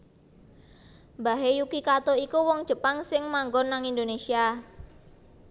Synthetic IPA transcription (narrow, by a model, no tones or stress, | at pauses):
mbaɦejukikat̪oikuwɔŋ̥ʒ̥ə̤paŋsɪŋmaŋɡɔnːaŋind̪onesia